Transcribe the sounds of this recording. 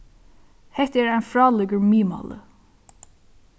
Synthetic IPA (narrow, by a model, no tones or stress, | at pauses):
hɛht̪əɛːɾaɪjnfɾɑːlɪkəɹmiːma̰lə̰